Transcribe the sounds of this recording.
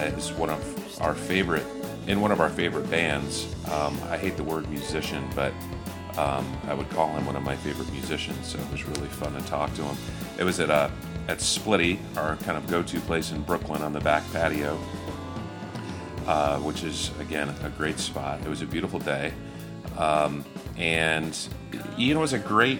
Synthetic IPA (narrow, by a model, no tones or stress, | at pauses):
ɪzwʌ̃nʌvʔʊə˞feɪvə˞ɨɾ | ʔɨ̃nwʌ̃ñʌvaʊə˞feɪvə˞ɨt̚b̥æ̃ndz̥ʔʌ̃ma̰ɪɦeɪt̪̚ðəwɜ˞d̚mjʉzɪʃɨ̃nbʌɾ | ʔʌ̃maɪwəd̚kʰɔlˠɨ̃mwʌ̃ñʌvmaɪfeɪvə˞ɨt̚mjʉzɪʃɨ̃nz̥soʊt̚wʌzɹɪlˠifʌ̃ntʰɨtʰɔk̚tʰɨə̃mʔɨ̰t̚wʌzɨɾʌ | ɨtsplɪɾi | ə˞kʰãɪ̃ndʌvɡoʊtʰʉpʰl̥eɪsɨ̃n̩bɹʊklə̃nə̃nðəbæk̚pʰæɾioʊ | ʌwət͡ʃɨzɨɡɛ̃nɨɡɹeɪtspɑtɨt̚wʌzɨbjʉɾəfl̩ˠdeɪ | ʌ̃mʔɨ̃n | ivɨ̃nt̚wʌzɨɡɹeɪt̚